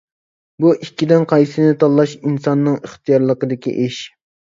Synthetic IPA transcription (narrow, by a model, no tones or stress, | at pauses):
buʔikʲːid̪ɪnqʰɑjsɨnɪt̪ʰɑlˠːɑʃinsɑnːɨŋəχt̪ijɑɾlˠəqəd̪ɪkʲḭʔeʃ